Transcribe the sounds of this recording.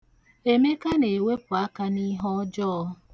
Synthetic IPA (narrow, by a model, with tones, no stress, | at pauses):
e˨me˦ka˦ne˨we˦pʊ˨a˦ka˦ni˦ɦɔ˦d͡ʒɔː˦